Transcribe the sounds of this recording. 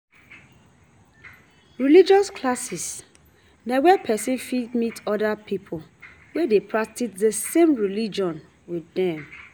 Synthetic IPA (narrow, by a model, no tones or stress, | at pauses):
ɹilid͡ʒɔskʰlasis | nɛwɛpʰɛsĩnfidmitɔdapʰipʰol | wedepʰɹak̚tisdəsẽmɹilid͡ʒɔ̃n | widːɛ̃m